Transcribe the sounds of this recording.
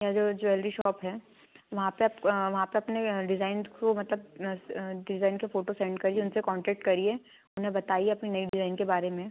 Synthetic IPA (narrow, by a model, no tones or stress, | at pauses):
jad͡ʒoːd͡ʒoɛlɾiʃɔːpɦɛː | ʋɐɦãpepʋɐɦãpeɐpneɖɪzaːɪnkomɐt̪ləb̚ | ɖɪzaːɪnkefoːʈosɛ̃ːɳɖkɐɾieʊnsekɔ̃ːɳʈɛːk̚ʈkɐɾie | ʊnɦẽbɐt̪aːieɐpninɐiɖɪzaːɪnkebaːɾemẽ